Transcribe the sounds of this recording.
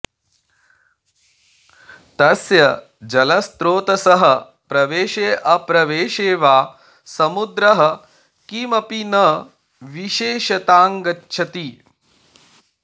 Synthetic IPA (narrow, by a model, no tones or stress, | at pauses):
t̪ɐsjɐ | d͡ʒɐlɐst̪ɾoːt̪ɐsɐɦɐ̆ | pɾɐʋeːʃeːʔɐpɾɐʋeːʃeːʋaː | sɐmud̪ɾɐɦɐ̆ | kimɐpinɐ | ʋiʃeːʃɐt̪aːŋɡɐtːʃʰɐt̪i